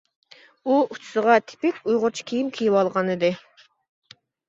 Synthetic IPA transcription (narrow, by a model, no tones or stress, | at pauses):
uut͡ʃʰu̥sɨʁɑt̪ʰɪ̥pɪkʲujʁʊɾt͡ʃʰu̥kʲʰijimkʲʰijiwɑlˠʁɑnɨd̪ɨ